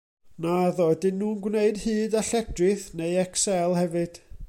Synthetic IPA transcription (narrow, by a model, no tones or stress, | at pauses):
naðɔdɪnːuːnɡwneɨdhɨːdaɬɛdrɨθnejɛksɛlˠhɛvɨd̥